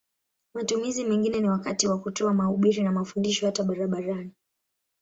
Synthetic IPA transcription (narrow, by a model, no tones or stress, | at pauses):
matumizimɛŋɡinɛniwakatiwakutɔamahuɓiɾinamafundiʃɔhataɓaɾaɓaɾani